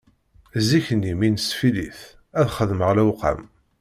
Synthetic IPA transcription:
ziçənːiminsfiliθ | æðχəðməʁlæwqa̰m

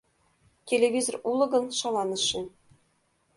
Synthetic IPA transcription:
tʲelʲevʲizorulˠɤ̆ɡɤ̆nʃɑlˠɑnɤ̆ʃːɘ̆

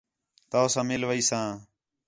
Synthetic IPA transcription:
t̪oːsãːmɪlʋəiːsãː

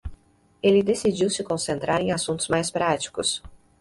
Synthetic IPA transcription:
elɪd̪esid͡ʒiwsɪkõsẽnt̪ɾaɾẽj̃asũnt̪ʊzmajspɾat͡ʃi̥kʊs

